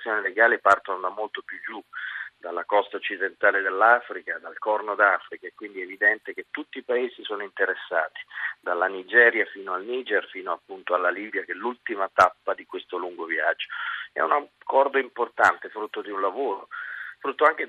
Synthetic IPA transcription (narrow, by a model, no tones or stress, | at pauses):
sːjoːnileɡaːlepart̪onod̪amolt̪opjud͡ʒːud̪alːakɔst̪aot͡ʃːid̪ent̪aːled̪elːafɾikad̪alkɔrnod̪afɾikaekːwind̪iɛevid̪ɛnt̪ek̟et̪ːut̪ːiːpaeːzisoːnoint̪eɾesːaːt̪i̥d̪alːanid͡ʒɛːɾjafiːnoalniːd͡ʒɛrfiːnoapːunt̪oalːaliːbjakɛlːult̪imat̪apːad̪ikwest̪oluŋɡovja̰d͡ʒːoɛ̰unakʰːɔrd̪oimport̪ant̪efɾut̪ːod̪iunlavoːɾo̰fɾut̪ːoaŋk̟e